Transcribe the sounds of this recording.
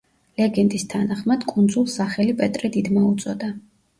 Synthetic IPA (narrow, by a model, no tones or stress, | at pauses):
lɛɡɛnt̪ʼist̪ʰanaχmad̪̥kʼund̪zulˠsaχɛlipʼɛt̪ʼɾɛd̪id̪maut̪sʼɔd̪a